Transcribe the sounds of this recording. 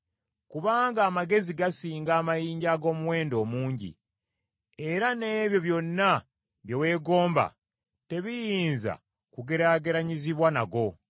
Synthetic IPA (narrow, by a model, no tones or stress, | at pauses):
kuβaːŋɡaːmaɡe̞ziɡasiːŋɡaːmajiːɲɟaɡo̞ːmuwe̞ːndo̞ːmuːɲɟḭ | e̞ɾane̞ːβjo̞βjo̞nːa | βjewe̞ːɡo̞ːmba̰ | te̞βijiːnza̰ | kuɡe̞ɾaɡe̞ɾaɲiziβwanaɡo̞